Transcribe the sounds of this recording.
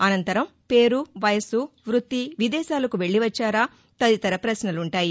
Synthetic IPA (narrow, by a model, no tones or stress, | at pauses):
ɐnɐnt̪ɐɾɐmpe̞ːɾuʋɐjɐsuʋɾut̪ːiʋid̪ɛːʃaːlɐkuʋe̞ɭːiʋɐt͡ʃːaːɾaː | t̪ɐd̪it̪ɐɾɐpɾɐsnɐluɳʈaːji